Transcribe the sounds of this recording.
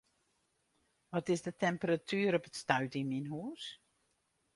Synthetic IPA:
ʋɔtɪsdətɛmpəratʰyːɾɔpətstœɥtiminɦuːs

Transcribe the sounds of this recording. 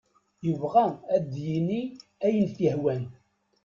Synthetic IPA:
jəvʁææd̪jiniæjənθihwæn

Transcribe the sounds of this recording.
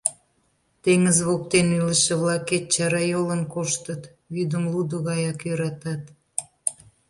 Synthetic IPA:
t̪eŋəzβok̚t̪enyləʃĕβlɑket̪̚t͡ɕɑɾɑjolənkoʃt̪ət̪ | βyd̪əmlud̪əɣɑjɑkjøɾɑt̪ɑt̪

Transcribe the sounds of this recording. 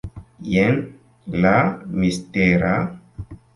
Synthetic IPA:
jen | lamisteɾa

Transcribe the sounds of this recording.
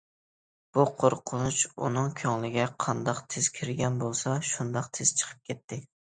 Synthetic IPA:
b̥uqʰoɾqʰʊnut͡ʃṵnɨŋkʲʰɑŋlˠɪɡʲɛqʰɑnd̪ɑqt̪ʰɪz̥kʲʰɪɾɡʲɛnbolˠsɑʃund̪ɑqt̪ʰɪz̥t͡ʃʰə̥qʰə̥p̚kʲʰɛt̪ʰːɪ

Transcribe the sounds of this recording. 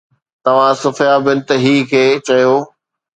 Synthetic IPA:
t̪ɐʋ̤ãsʊfjabɪ̃nt̪ɪɦiːkʰeːt͡ɕɐjoː

